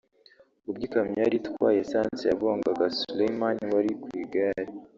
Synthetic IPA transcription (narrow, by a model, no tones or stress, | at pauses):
ubɡikamɲaɾitkwa̰ːjesaːnt͡seja̰βo̞ːŋɡaɡasulejmanwaɾikwiːɡaɾi